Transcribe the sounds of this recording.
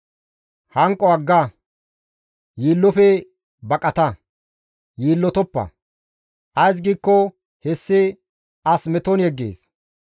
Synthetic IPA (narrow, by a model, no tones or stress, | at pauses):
hɐŋkʼːɔɐɡːɐ | jiːlːɔfɛ | bɐkʼɐt̪ɐ | jiːlːɔt̪ɔpːɐ̰ | ʔɐjs̬ɡiːkːɔ | hɛsːɪ | ɐsmɛt̪ɔnjɛɡːḛːs